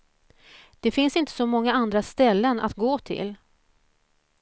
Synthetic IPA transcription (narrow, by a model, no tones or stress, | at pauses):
d̪̥ɛfɪnsɪnt̪ə̥sɔmɔŋːaand̪ɾast̪ɛlːənʔa̰t̪ɡoːt̪ʰɪ̰l